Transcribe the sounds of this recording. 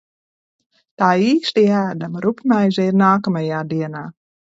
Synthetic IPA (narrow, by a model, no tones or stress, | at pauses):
t̪aːiːstiæːdəmrupmɛjzeːrnaːkəməjaːdiənaː